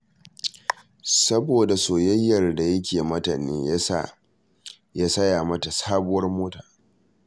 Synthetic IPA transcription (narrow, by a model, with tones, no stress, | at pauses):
sɐ˦boː˨da˨soː˨jɐ˦jːɐ˨rda˨jɐ˦kʲʰeː˨mɐ˦ta˨nḛː˦ | ja˦sɐ˦jaː˨mɐ˦ta˨saː˦bʊ˦wɐ˦rmoː˦taː˨